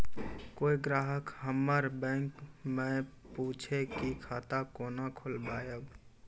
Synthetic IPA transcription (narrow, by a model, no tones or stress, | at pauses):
koːiɡɾaːɦəkhəmːəɾbɛ̃ːŋkmɛ̃ | puːt͡ʃʰekikʰaːt̪akoːnakʰʊlbaːjəɡ